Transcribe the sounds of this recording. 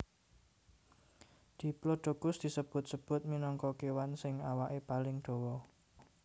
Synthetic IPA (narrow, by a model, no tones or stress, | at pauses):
d̪̥i̤ploɖ̥o̤kʊsd̪̥i̤səb̥ʊ̤t̪̚səb̥ʊ̤t̪̚minɔŋkɔkewansɪŋawaʔepalɪŋd̪̥o̤wɔ